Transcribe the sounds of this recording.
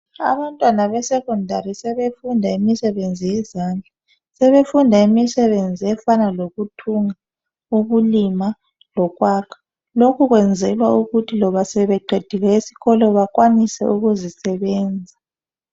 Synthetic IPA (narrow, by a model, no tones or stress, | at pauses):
a̰βantʼwanaβɛsɛkʼɔndʱarisɛβefundʱaimisɛβend͡zʱijɛzaːnd͡ɮʱa | sɛβefundʱaimisɛβend͡zʱiɛfanaloɣutʰuŋa | uɣulima | lɔɣwaːkʰḁ | lokʰuɣwɛnd͡zʱɛlwauɣutʰilɔβasɛβɛǃʱed̥ʱiɣɛisi̥ɣɔlɔβak̬ʼwanisɛ̰uɣuzisɛβɛːnd͡zʱa